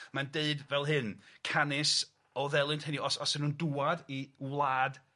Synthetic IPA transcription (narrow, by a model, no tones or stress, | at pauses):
mandeɨdvɛlˠɦɨnkʰanɪs | ɔðɛlˠɨntʰɛniɔsɔsɪnuːnduwadiwlˠaːd